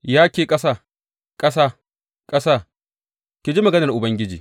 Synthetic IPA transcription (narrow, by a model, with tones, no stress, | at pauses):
jaː˦kʲeː˨kʼɐ˦saː˦˨ | kʼɐ˦saː˦˨ | kʼɐ˦saː˦˨ | kʲi˨d͡ʒi˦mɐ˨ɡɐ˦nɐ˨rʔʊ˨bɐ˦ŋɡʲɪ˦d͡ʒḭː˨